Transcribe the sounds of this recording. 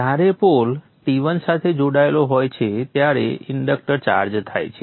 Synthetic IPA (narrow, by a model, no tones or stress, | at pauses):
d͡ʒaɾepol | ʈiʋənsat̪ʰed͡ʒoɽaeloɦojt͡ʃʰet̪jaɾḛiɳɖək̚ʈəɾt͡ʃa̰ɾd͡ʒt̪ʰa̰jt͡ʃʰe